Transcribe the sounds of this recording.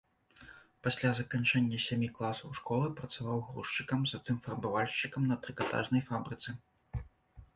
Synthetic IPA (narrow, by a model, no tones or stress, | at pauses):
pasʲlʲazɐkant͡ʂɛnʲːɐsʲamʲiklˠasɐwʂkɔlˠɨpɾɐt̪savawɣɾṵʂt͡ʂɨkɐmzɐt̪ɨmfɐrbavalʲʂt͡ʂɨkɐmnɐt̪ɾɨkat̪a̰ʐnɐjfabɾɨt̪sɨ